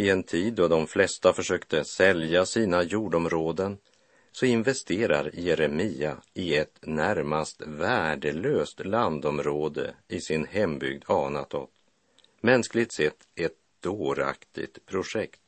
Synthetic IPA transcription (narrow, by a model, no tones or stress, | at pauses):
ɪɛnt̪ʰiːd̪ːɔd̪ɔmflɛst̪afœʂøːkt̪əsɛljasiːnajuːɖɔmɾoːd̪ən | sɔɪnvɛst̪ʰeːɾa̰ɾjɛɾɛmiːaɪɛt̪næɾmast̪væːɖəløːst̪land̪ɔmɾoːd̪ə̰ɪsɪnhɛmbʏ̰ɡd̪ɑːnat̪ɔ̰t̪ | mɛnsklɪɡt̪sɛt̪ʰːɛt̪̚d̪̥oːɾa̰kt̪ʰɪ̰t̪pʰɾʊʂɛkt̪